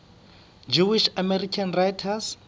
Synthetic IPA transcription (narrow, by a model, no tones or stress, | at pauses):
d͡ʒuwiʃamɛrikʰanrajtʰas